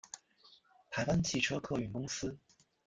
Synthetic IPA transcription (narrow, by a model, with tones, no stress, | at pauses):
t̪ʰa˧˥ɪwa˥nt͡ɕʰi˥˩ʈ͡ʂʰɤ˥kʰɤ˥˩y˨˩kʊ˥ŋsɹ̩˥